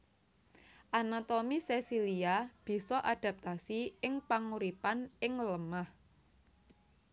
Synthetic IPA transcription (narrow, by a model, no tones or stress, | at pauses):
ʔanat̪ɔmisesiliab̥i̤sɔʔad̥a̤p̚t̪asiɪŋpaŋuɾipanɪŋləmah